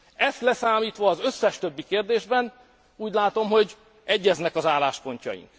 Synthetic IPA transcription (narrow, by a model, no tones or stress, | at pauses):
ɛst̪lɛsaːmiːt̪ʋɒːzø̞sːɛʃt̪øbːikeːrd̪eːʒbɛn | uːɟlaːt̪o̞mɦo̞ɟ | ɛɟːɛznɛkɒzaːlaːʃpo̞ɲcɒ̰jḭŋk